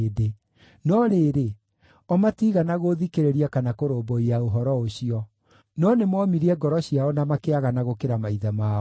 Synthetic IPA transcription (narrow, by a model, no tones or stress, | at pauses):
de | nɔɾeːɾe | ɔmatiɣanaɣoðikeɾeɾiakanakoɾoːmbɔiaoɦɔɾɔoɕiɔ | nɔnemwɔmiɾiɛɡɔɾɔɕijaɔnamakeaɣanaɣokeɾamaiðamaː